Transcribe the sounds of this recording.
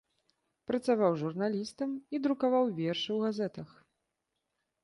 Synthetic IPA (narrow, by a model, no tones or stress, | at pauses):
pɾɐt̪savawʐurnalʲist̪ɐmid̪ɾukavawvʲɛrʂɨwɣazɛt̪ɐx